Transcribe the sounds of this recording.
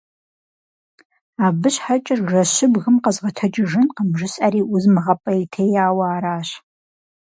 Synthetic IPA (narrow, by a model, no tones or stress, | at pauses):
aːbɨɕħat͡ʃʼɐrʒɐɕɪbɣɨmqɐzʁɐtʰɐd͡ʒɪʒɨnqəmʒɪɕʼɐɾiːʔʊzmɨʁɐpʼɐjtʰejaːwaːɾaːɕ